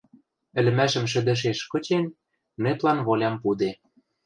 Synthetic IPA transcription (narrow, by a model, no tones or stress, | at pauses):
ɘ̆lɘ̆mæʃə̆mʃ̬ɘ̆d̪ə̆ʃ̬eʃkɤ̆t͡ɕen | neplɑnβolʲɑmpud̪e